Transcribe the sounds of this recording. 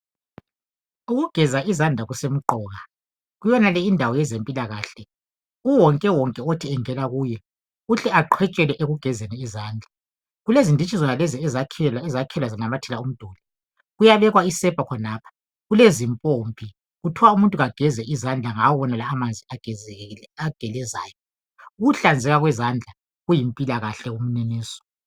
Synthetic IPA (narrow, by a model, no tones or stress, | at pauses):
uɣuɡ̥ʱɛzaizand͡ɮʱaɣusem̩ǃɔːɣa | ɣujɔnalɛindʱawɔjɛzempʼilaɣaːɬɛ | uwɔŋkʼɛwɔŋkʼɛotʰiɛŋɛlaɣuːjɛ | uɬɛaǃʰwɛt͡ʃʼɛlɛʔeɣuɡ̥ʱɛzɛnɛizaːnd͡ɮʱa | ɣulezindʱit͡ʃʰʼizɔnalɛziɛzazakʰɛlwazanamatʰɛlaum̩d̥ʱɔːli | ɣujaβɛɣwaisɛb̥ʱakʰɔnaːpʰḁ | ɣulezimpʼompʼi | ɣutʰiwaumuntʼuɣaɡ̥ʱɛzɛizand͡ɮʱaŋawɔβɔnalaːmand͡zʱiḁ | aɡ̥ʱɛlɛzaːjɔ | uɣuɬand͡zʱɛɣaɣwɛzand͡ɮʱa | ɣujimpʼilaɣaɬɛɣum̩neniːsɔ̥